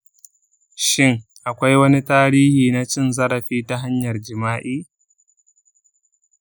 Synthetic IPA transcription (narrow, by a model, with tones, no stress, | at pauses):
ʃɪ˦ŋʔa˨kʷa˦jwɐ˦ni˦taː˦ɾiː˦hiː˨na˦t͡ʃɪ˦nzɐ˦ɾɐ˨ɸiː˦ta˦ɦa˦ɲjɐ˨rd͡ʒɪ˨maː˦ʔiː˦